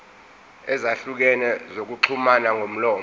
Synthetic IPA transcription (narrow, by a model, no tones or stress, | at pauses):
ɛzaɬuk̬ɛnɛzok̬uǃʰumanaŋʱom̩lɔːm